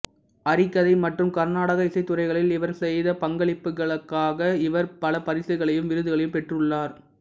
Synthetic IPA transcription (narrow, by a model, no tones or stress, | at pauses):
ɐɾɪkːɐðɐɪmɐʈrɯmkɐɾnaːɽɐɣɐɪsɐɪt̪ːʊrɐɪɣɐɭɪlɪʋɐɾsɛjðɐpɐŋɡɐɭɪpːɯɣɐɭɯkːaːɣɐɪʋɐɾpɐlɐpɐɾɪsɐɪɣɐɭɐjɯmʋɪɾɯðɯɣɐɭɐjɯmpɛʈrɯɭːaːɾ